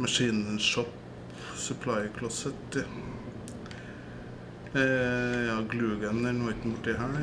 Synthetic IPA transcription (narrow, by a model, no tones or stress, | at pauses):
mɑʂiːnənʂɔp | sœpʰlaɪkʰlɑsət̪ | jɑːɡlʉːɡənənɔɪt̪nbʊʈːɪɦæː